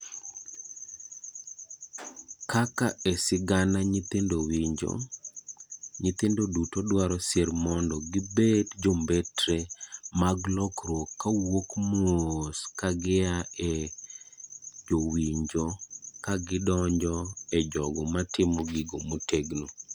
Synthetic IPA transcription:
kakaesɪɡanaɲit̪ɪndowiɲd͡ʒo̰ | ɲɪt̪ɪndodutodwaɾɔseɾmɔndɔɡɪbedd͡ʒombetɾemaɡlɔkɾwokːawokmoskaɡɪae | d͡ʒowiɲd͡ʒokaɡɪdɔɲd͡ʒɔɛd͡ʒɔɡɔmatɪmɔɡɪɡomoteɡno

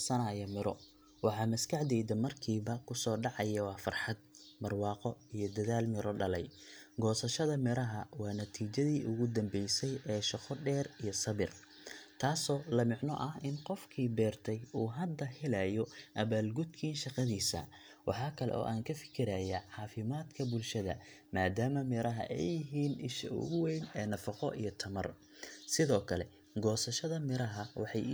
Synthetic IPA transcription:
sɐnɐjɐmɪɾɔ | wɑħɑːmɐskʰɑħd̪ɛːjðɐmɐrkʰiːβɐkʰʊsɔːɖɑʕɑjɐwɑːfɐrħɑd̪̚bɐrwɑːqɔijɔd̪ɐðaːlmɪɾɔɖɐlɛjɡɔːsɐʃɐðɐmɪɾɐɦɐwɑːnɐt̪ʰiːt͡ʃɐðiːʔʊɣʊd̪ɐmbɛjsɛjɛːʃɑqɔɖɛːrijɔsɐβɪr | t̪ʰaːsɔːlɐmɪʕnɔ̰ʔɐhɪnqɔfkʰiːbɛːrt̪ʰɛjuːɦɐd̪ːɐhɪlaːjɔʔɐβaːlɡʊd̪kʰiːnʃɑqɑðiːsɐ̰ | wɑħɑːkʰɐlɛ̰ʔɔ̰ːʔaːŋkʰɐfɪ̥kʰɪɾaːjaʕɑːfɪmaːd̪kʰɐbʊlʃɐðɐ̰maːd̪aːmɐmɪɾɐɦɐ̰ʔɛ̰jɪɦiːnɪʃɐ̰ʊ̰ɣʊwɛjnɛːnɐfɑqɔʔijɞt̪ʰɐmɐ̰r | sɪðɔːkʰɐlɛ̰ | ɡɔːsɐʃɐðɐmɪɾɐɦɐwɑ̰ħɑj

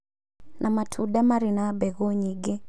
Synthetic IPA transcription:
nʔamatʰuɗamaɾinabɛɣɔɲiɡɛ

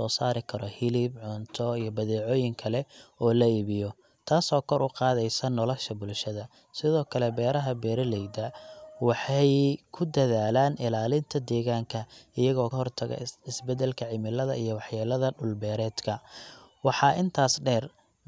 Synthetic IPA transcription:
ɔːsaːɾɪkʰɐɾɔhɪlibʕʊnt̪ʰɔijɞbɐðɛːʕɔːjɪŋkʰɐlɛɔːlɐiːβɪjɔ | t̪ʰaːsɔːkʰɔɾʔʊqɑːðɛjsɐnɔlɔʃɐbʊlʃɐðɐ | sɪðɔːkʰɐlɛbɛːɾɐɦɐbɛːɾɐlɛjd̪ɐwɑħɑjkʰʊd̪ɐðaːlaːnɪlaːlɪnt̪ʰɐd̪ɛːɣaːŋkʰɐɪjɐɣɔːɦɔrt̪ʰɐɣɐ̰ɪsbɛd̪ɛlkʰɐʕɪmɪlɐðɐʔijɔwɑħjaːlɐðɐɖʊlbɛːɾɛːd̪kʰɐwɑħɑːʔɪnt̪ʰaːsɖɛːr

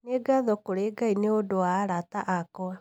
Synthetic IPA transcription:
neɡaðɔkoɾeɡaineodowaːɾataʔakɔa

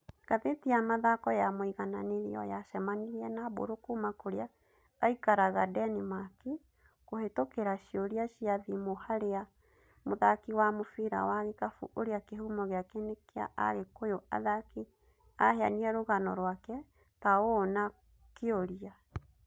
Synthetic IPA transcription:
kaðetiamaðakɔjamoiɣananeɾḭɔ̰jaʃɛmaniɾɛnabo̰ɾokumakoɾeaː | ikaɾaɣadɛnimaki | kohetokeɾaʃioɾiaʃiaðimohaɾea | moðakiwamofiɾa̰waɣekafṵʔoɾeakeɦumɔɣeakenekea̰ʔa̰ɣekojoa̰ðaki | ahea̰niɛɾoɣanɔɾwakɛ | taona | keoɾia

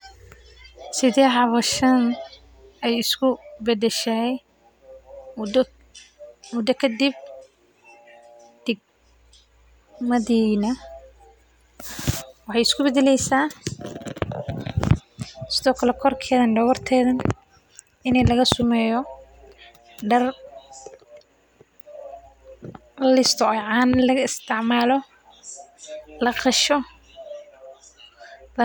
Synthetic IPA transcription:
sɪðɛːʕɑβɐʃɐn | ɛjɪskʰʊbɛd̪ɛʃɛj | mʊd̪ːɐkʰɐd̪ib̚ | d̪̥ɛɡ̚ | mɐðiːnɐ | wɑħɑjɪskʰʊbɛðɛlɛjsaː | sɪðɔːkʰɐlɛkʰɔrkʰɛːðɐnɖɐwɐrt̪ʰɛːðɐn | ɪnɛlɐɣɐsʊmɛːjɔ | ɖɐr | lɪst̪ʰɔɔjʕɑːnlɐɪst̪ʰɪʕmaːlɔ | lɐqɑʃɔ | lɐ

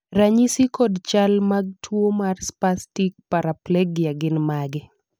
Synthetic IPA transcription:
raɲisikɔdt͡ʃalmaɡ̚tʰwomarspastik̚paɾaplɛɡjaɡɪnmaɡɪ

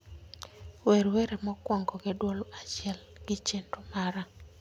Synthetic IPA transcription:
weɾweɾemɔkwɔŋɡɔɡedwolat͡ʃɪɛl | ɡ̥ɪt͡ʃentomaɾa

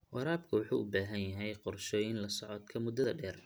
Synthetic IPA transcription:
wɑɾaːbkʰɐwɑħṵːʔʊbaːɦɐnjɐɦɛjqɔrʃɔjɪnlɐsɔʕɔd̪kʰɐmʊd̪ɐðɐɖɛːr

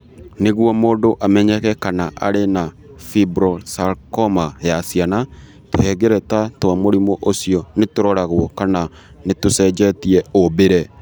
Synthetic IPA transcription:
neɣwɔmoːdoʔamɛɲɛkɛkanaʔa̰ɾena | fibɾɔsaɾkɔmajasiana | tohɛɡɛɾɛtatwamoɾimoʔosiɔnetoɾɔɾaɣwɔkana | netosɛd͡ʒɛtiɛobeɾɛ

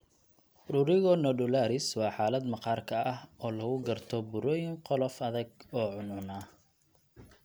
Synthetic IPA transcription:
ɾʊɾɪɣɔnɔɖʊlaːɾɪswɑːħɑːlɐd̪mɐqɑːrkʰɐɐhɔːlɐɣʊɡɐrt̪ʰɔbʊɾɔːjɪŋqɔlɔfɐðɐɡɔːʕʊnʊna

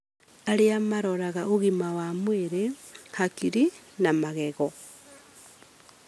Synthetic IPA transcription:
aɾiamaɾoɾaɣaoɣimawamweɾehakiɾi | namaɣeɣo

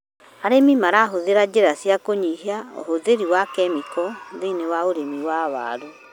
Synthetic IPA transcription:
aɾemimaɾaɦoðeɾad͡ʑeɾasjakoɲiɦiao̰hoðeɾiwakɛmikɔðenewaoɾemiwaβa̰ːɾo

